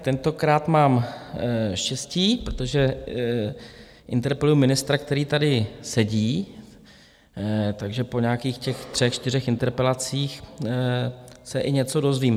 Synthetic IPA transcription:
t̪ɛnt̪o̞kɾaːt̪maːm | ʃcɛsciːpɾot̪o̞ʒɛ | ʔɪnt̪ɛɾpɛlujumɪnɪst̪ɾak̚t̪ɛɾiːt̪adɪsɛɟiː | t̪aɡʒɛpo̞ɲaːkiːxcɛxt̪r̥ɛxt͡ʃt̪ɪr̝ɛxɪnt̪ɛɾpɛlat͡siːx | sɛʔɪɲɛt͡so̞do̞zviːm

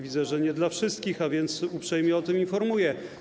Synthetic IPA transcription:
vʲidzɛʐɛɲɛd̪lafʂɘst̪kʲixavʲjɛnt̪supʂɛjmʲjɛɔt̪ɘminfɔɾmujɛ

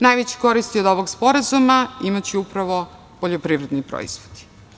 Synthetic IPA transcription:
najʋet͡ɕe̥ko̞ɾist̪iod̪o̞ʋoɡspo̞ɾazumaimat͡ɕeupɾaʋo | poʎopɾiʋɾe̞d̪nipɾo̰ḭz̥ʋod̪i̥

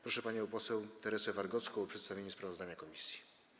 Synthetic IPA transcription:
pɾɔʂɛpaɲɛpɔsɛwt̪ɛɾɛsɛvaɾɡɔt̪skɔwɔpʂɛt̪st̪avʲeɲuspɾavɔzd̪aɲakɔmʲisʲji̥

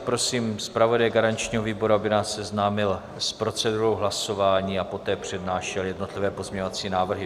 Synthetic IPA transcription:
pɾo̞siːmspɾavo̞dajɡaɾant͡ʃɲiːɦo̞viːbo̞ɾuabɪnaːsːɛznaːmɪl | spɾo̞t͡sɛduɾo̞wɦlaso̞vaːɲiːapo̞t̪ɛːpr̝̥ɛdnaːʃɛljɛdno̞t̪lɪvɛːpozmɲeɲovat͡siːnaːvr̩ɦɪ

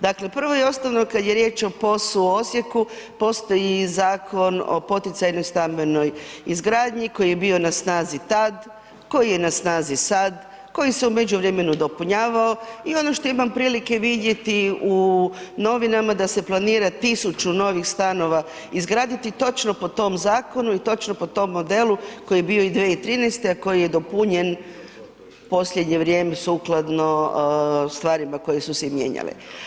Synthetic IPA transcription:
d̪akle̞pr̩ʋo̞jeo̞st̪oʋnokad̪je̞ɾje̞ːt͡ʃo̞po̞suo̞sje̞kupo̞st̪o̞jizaːkʰo̞no̞̰po̞t̪it̪sajnojst̪ambe̞no̞jizɡɾaːd̪ɲiko̞jijebio̞nasnaːzit̪ad̪ | ko̞jije̞nasnaːzisad̪ | ko̞jise̞ume̞d͡ʒuʋɾeme̞nud̪o̞puɲaːʋaoio̞no̞ʃt̪o̞imampɾiːlike̞ʋid̪je̞t̪iuno̞ʋinamad̪ase̞plˠaniːɾat̪isut͡ʃuno̞ʋixst̪ano̞ʋa | izɡɾaːd̪it̪it̪o̞t͡ʃno̞po̞t̪o̞mzaːko̞nuit̪o̞t͡ʃnopo̞t̪o̞mːo̞d̪e̞luko̞jijebio̞id̪ʋeːit̪ɾiːnɛjst̪eako̞jije̞d̪o̞puɲen | po̞sʎʲjed̪ɲe̞ʋɾʲje̞ːmesuklˠad̪no̞ | st̪ʋaːɾimako̞jesusemjḛɲa̰lḛ

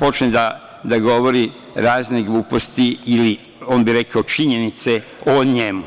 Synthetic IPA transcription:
po̞t͡ʃned̪a | d̪aɡo̞ʋo̞ɾi | ɾaːzneɡlˠuːpo̞st̪iːli | o̞ːnbiɾe̞kaot͡ʃiɲe̞nit̪se | oɲe̞mu

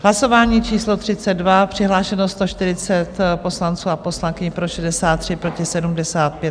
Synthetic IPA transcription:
ɦlaso̞vaːɲiːt͡ʃiːslo̞t̪r̥ɪt͡sɛd̪̚vapr̝̥ɪɦlaːʃɛnost̪o̞ʃt̪ɪɾɪt͡sɛt̪po̞slant͡suːaposlaŋkɪɲpɾo̞ʃɛdɛsaːt̪ːr̝̥ɪpɾo̞cɪsɛdumdɛsaːt̪̚pjɛt̪

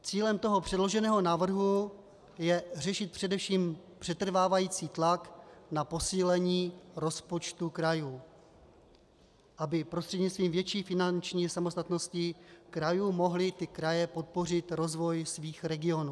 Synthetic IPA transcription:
t͡siːlɛmt̪o̞ɦo̞pr̥ɛdlo̞ʒɛnɛːɦo̞naːvr̩ɦu | jɛr̝ɛʃɪt̪̚pr̝̥ɛdɛfʃiːm | pr̝̥ɛt̪r̩vaːvajiːt͡siːt̪laknapo̞siːlɛɲiːɾo̞spo̞t͡ʃt̪ukɾajuː | ʔabɪpɾost̪r̥ɛdɲɪt͡sst̪viːmvjɛt͡ʃiːfɪnant͡ʃɲiːsamost̪at̪no̞scɪkɾajuːmo̞ɦlɪt̪ɪkɾajɛpo̞t̪̚po̞r̝ɪt̪ɾo̞zvo̞jsviːxɾɛɡɪo̞nuː

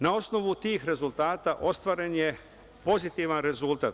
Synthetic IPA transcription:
nao̞sno̞ʋut̪iːxɾe̞zult̪aːt̪aʔo̞st̪ʋaːɾenje̞ | po̞zit̪iʋanɾe̞zult̪at̪

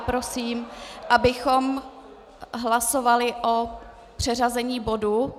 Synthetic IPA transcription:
pɾo̞siːmʔabɪxo̞m | ɦlaso̞valɪʔo | pr̝̥ɛrazɛɲiːbo̞du

